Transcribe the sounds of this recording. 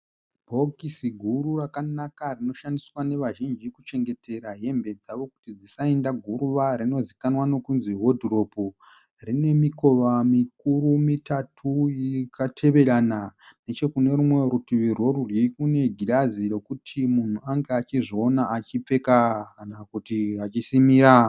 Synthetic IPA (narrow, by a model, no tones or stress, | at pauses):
bʱo̞kisiɡʱuɾurakanakarino̞ʃandiswane̞ʋaʒind͡ʒikut͡ʃe̞ŋɡe̞tʰe̞ɾaɦe̞mbe̞d͡zaʋo̞ku̥tid͡zisaendaɡʱuɾuʋaɾino̞zikanwano̞kunziɦodʱiro̞po | rine̞miko̞ʋamik̚uɾumitatʰujikʰatʰe̞ʋe̞ɾanane̞t͡ʃe̞kune̞ɾumwe̞ɾutiʋiro̞ɾurikune̞ɡʱilaziro̞kutʰimun̤uaŋɡeat͡ʃiʐio̞naʔːt͡ʃip͡fe̞kakanakutiɦat͡ʃisimiɾa